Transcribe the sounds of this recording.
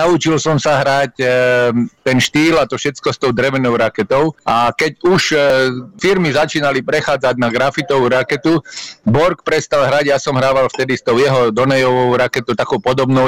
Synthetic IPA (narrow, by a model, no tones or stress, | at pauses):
naut͡ʃilsɔmsaɦɾac | t̪ɛnʃt̪iːlat̪ɔfʃɛt͡skɔst̪ɔʊd̪ɾɛʋɛnɔʊɾakɛt̪ɔʊʔakɛɟuʃ | fiɾmizat͡ʃiːnalipɾɛxaːd͡zaɟnaɡɾafit̪ɔʋuɾakɛt̪ubɔɾkpɾɛst̪alɦɾaɟjasɔmɦɾaːʋalft̪ɛd̪ist̪ɔʊjɛɦɔd̪ɔnɛjɔʋɔʊɾakɛt̪ɔt̪akɔʊpɔd̪ɔbnɔ